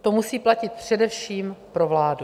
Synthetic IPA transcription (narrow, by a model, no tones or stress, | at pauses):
t̪o̞musiːplacɪt̪̚pr̝̥ɛdɛfʃiːmpɾo̞vlaːdu